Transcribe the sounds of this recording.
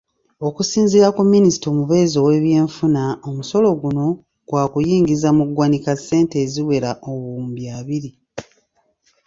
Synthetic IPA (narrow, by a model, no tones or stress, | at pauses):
o̞kusiːnziɾakumːinisi̥tomuβe̞ːzo̞we̞ːβje̞ːɱfunaomuso̞lo̞ɡuno̞ | ɡ̥waːkujiːŋɡizamuɡwanikasːe̞ːnteːziwe̞ɾaʔoβuːmbjaːβiɾi